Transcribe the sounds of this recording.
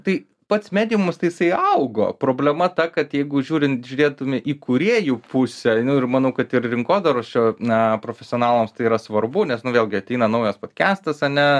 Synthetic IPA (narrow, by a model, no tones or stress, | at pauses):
t̪ɐɪ | pɐt̪smʲæːd̪ʲijmʊmst̪ɐɪjɪsɐɪɐʊɡo̰ːpɾoːbʲlʲɛmɐt̪ɐkɐt̪jɛɪɡʊʒʲuːɾʲɪnt̪ʒʲʊɾʲeːt̪ʊmʲɪʔiːkʊɾʲiɛjupʊsʲɛnʊɪrmɐnɐʊkɐt̪ɪrrʲɪŋkoːd̪ɐɾoːst͡ʃʲonɐpɾoːfʲɛsʲɪoːnɑːlˠoːmst̪ɐɪiːɾɐsʋɐɾbʊnʲɛsnʊʋʲeːlˠʲɡʲɪɐt̪ʲɛɪnɐnɐʊjɛspoːt̪ʲkʲæːst̪ɐsɐnʲɛ